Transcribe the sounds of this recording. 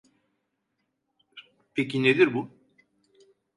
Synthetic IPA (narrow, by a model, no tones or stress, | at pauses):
pʰecʰined̪iɾbu